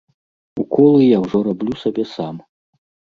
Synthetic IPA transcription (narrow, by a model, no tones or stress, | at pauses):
ukɔlˠɨjawʐɔɾablʲusabʲɛsam